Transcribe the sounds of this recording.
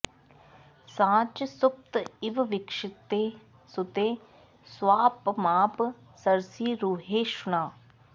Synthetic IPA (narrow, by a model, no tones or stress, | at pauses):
sãːt͡ʃsʊp̚t̪ɪʋʋɪkʂɪt̪ːeː | sʊt̪eː | sʋaːpmaːp | səɾsiːɾuːɦeːʃʊnaː